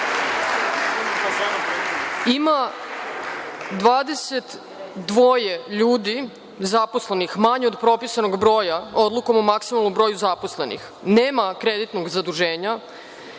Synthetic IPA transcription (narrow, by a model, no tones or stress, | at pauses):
ima | d̪ʋaːd̪e̞se̞t̪ | d̪ʋoːjeʎuːd̪i | zaposle̞nixmaɲeod̪pɾo̞pisanoɡbɾo̞ːjao̞d̪lˠuko̞momaksimalˠnumbɾo̞ːjuzaposle̞nḭx | neːmakɾed̪it̪no̞ɡzad̪uʒeːɲa